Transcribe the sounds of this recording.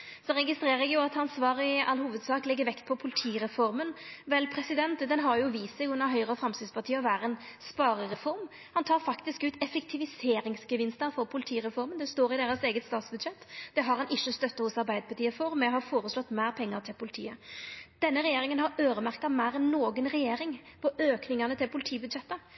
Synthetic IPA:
sɔɾɛɡɪst̪ɾeːɾəɛɡjʊɑt̪ɑnsʋɑːɾɪʔɑ̰lhuːʋəd̪sɑːklɪɡːəɾʋɛkt̪̚pʰɔpʰʊlɪt̪ʰiːɾɛfɔɾmənʋɛlpʰɾɛsɪd̪ɛnt̪d̪ɛnɦɑɾjʊʋiːsɛːɡʉnːəɾɦœʏʁəfɾɑmst̪ɪd̪spɑʁt̪ʰiːəɔʋæːɾəɛːnspɑːɾəʁɛfɔɾm | hɑnt̪ʰɑːɾfɑkt̪ɪskʉːt̪ɛfɛkt̪ʰɪʋɪseːɾɪŋsɡəʋɪnst̪əɾfɔɾpʰʊlɪt̪ʰiːɾɛfɔɾmənd̪ɛst̪oːɾɪd̪eːɾəseːɡət̪st̪ɑːt̪sbʉd̪ɕɛt̪ːd̪̥ɛɦɑɾhɑnʔɪʃːəst̪œt̪ːɑhʊsɑɾbæɪd̪əpʰɑt̪iːəfɔɾmɛɦɑɾfoːɾəslɔt̪ːmæːɾpʰɛŋːəɾt̪ʰɪlpʰʊlɪt̪ʰḭːəd̪̥ɛnːəɾɛjeːɾɪŋənɦɑɾøːɾəmæɾkɑmæːɾɛnːoːɡənɾɛjeːɾɪŋpʰɔʔøːknɪŋɑnət̪ʰɪlpʰʊlɪt̪ʰiːbʉd̪ɕɛt̪ːə

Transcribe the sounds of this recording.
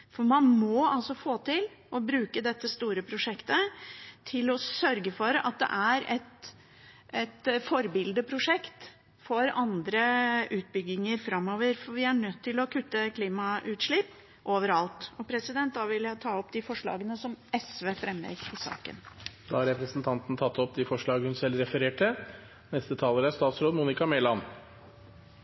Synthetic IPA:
fɔmɑnmɔɑlsɔfoːt̪ʰɪlɔbɾʉːkəd̪ɛt̪ːəst̪uːɾəpʰɾʊʂɛkt̪ət̪ʰɪlɔsœɾɡəfɔɾɑ̰t̪̚d̪ɛ̰ʔæɾɛt̪ | ɛt̪fɔɾbɪld̪əpʰɾʊʂɛkt̪ | fɔɾɑnd̪ɾəʔʉːt̪̚bʏɡːɪŋəɾfɾɑmːoːʋəɾfɔɾʋɪæɳœt̪ʰːɪlɔkʰʉt̪ːəkʰliːmɑʔʉːt̪ʂɭɪpː | ʔoːʋəɾɑlt̪ɔpʰɾɛsɪd̪ɛnt̪̚d̪ɑːʋɪljæt̪ʰɑːɔpd̪ɪfɔʂɭɑ̰ːɡənəsɔmɛsʋeːfɾɛmʋɛ̰ːɡɪsɑ̰ːkə̰nd̪ɑːhɑɾɛpɾəsn̩t̪ʰɑnt̪n̩t̪ʰɑt̪ʰːɔpd̪ɪfɔʂɭɑːɡəhʉnsɛlɾɛfəɾeːʈʰə | nɛst̪ət̪ʰɑːləɾəæst̪ɑːt̪sɾoːd̪muːnɪkɑmeːlɑn

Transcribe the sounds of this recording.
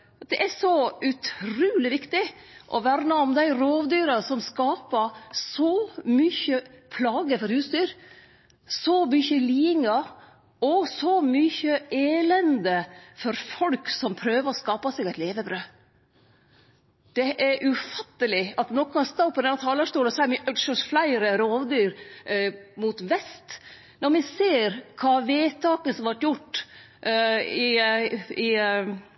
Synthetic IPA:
d̪̥ɛʔæsɔʉt̪ʰɾʉːlɪʋɪkt̪ɪʔɔʋæːɾnɑɔmd̪æɪɾoːʋd̪yːɾɑsɔmskɑːpəsɔmʏçəpʰlɑːɡəfɔɾhʉːsd̪yːɾ | sɔmʏçəliːɪŋɑ | ɔsɔmyçəeːlɛnd̪əfɔɾfɔlksɔmpʰɾøːʋəɾɔskɑːpɑsɛɡɛɪt̪leːʋəbɾøː | d̪̥ɛʔæɾʔʉfɑt̪ːəlɪɑt̪nɔkːɑst̪ɑpːɔd̪ɛnɑt̪ʰɑːlɑʂt̪uːləsɔæmɪʔœɡ̪ʃɔsflæɪɾəɾoːʋd̪yːɾ | mut̪ʋɛst̪ | nɔɾmɛseːɾkʰɑːʋeːt̪ʰɑːkəsɔmʋɑʈjʊʈː | ɪ | ɪ

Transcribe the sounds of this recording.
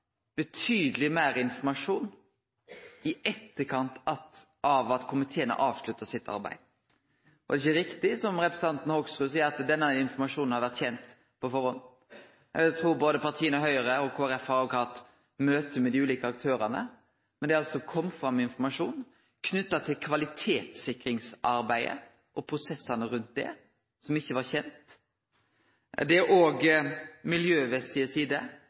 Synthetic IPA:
b̥ət̪ʰyːd̪əlɪmæːɾɪnfɔmɑʂuːn | ɪɛt̪ːəkʰɑnt̪ɑt̪ | ʔɑʋɑt̪kʰʊmɪt̪ʰeːənə̰ʔɑːʋʂlʉt̪ːɑsɪt̪ʰːɑ̰ɾbæ̰ɪd̪ | ʔɔɛɪçəɾɪkt̪ɪsɔmɾɛpɾɛs̩ɑnt̪n̩hoɡsɾʉːsiːəɾɑt̪d̪ɛnːəɪnfɔɾmɑʂuːnnhɑɾʋæɾt̪çɛnt̪ | pʰɔfɔɾhɔn | ɛt̪ʰɾuːɾboːd̪əpɑɾt̪ʰiːənəɦœʏəɾəɔkʰoːæɾɛfhɑɾʋʊkʰɑt̪ | møːt̪əmɛd̪iʉːliːkəɑk̚t̪ʰøːɾɑnə̰ | mɛnd̪ɛɑlsɔkʰɔmːfɾʁɑmːɪnfɔɾmɑʂuːn | kʰnʏt̪ːɑt̪ʰɪlkʰʋɑlɪt̪ʰeːt̪sɪkːɾɪŋsʔɑɾbæɪə̰ | ʔɔpʰɾʊsɛsːɑnəɾʉnt̪̚d̪ɛ̰ | sɔmɪçːəʋɑɾçɛnt̪ | d̪ɛʔoːɡmɪljøːʋɛsɪəsiːd̪ə

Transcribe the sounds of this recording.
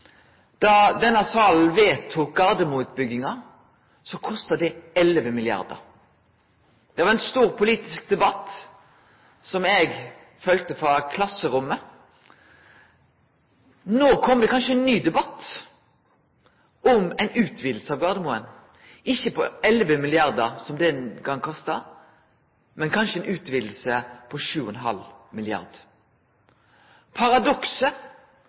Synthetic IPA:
d̪̥ɑd̪ɛnːɑsɑl̩ʋeːt̪ʰuːk̚ɡɑʁd̪əmuʉːt̪̚bʏɡːɪŋɑ | sɔkʰɔst̪əd̪ɛɛlʋəmɪlɪɑ̰ʁd̪ə̰ʁ | d̪̥ɛʋɑʁɛnst̪uːʁpʰʊliːt̪ɪsk̚d̪ɛbɑt̪ː | sɔmɛɡ | fœlt̪əfʁɑkʰlɑsəɾʊmːə | noːkʰɔmd̪ɛkʰɑnʃəɛnːyːd̪ɛbɑt̪ː | ʔɔmɛɪnʉːt̪ʰʋiːd̪l̩səɑʋɡɑʁd̪əmuːən | ɪçːəpʰɔɛlʋəmɪlɪɑʁd̪əʁsɔmd̪ɛnɡɑŋːkʰɑst̪ɑ | mɛnkʰɑnʃəɛɪnʉːt̪ʋiːd̪l̩səpʰɔʃʉːɔnɦɑ̰lmɪlɪɑ̰ʁd̪̥ | pʰɑɾɑd̪ɔksə

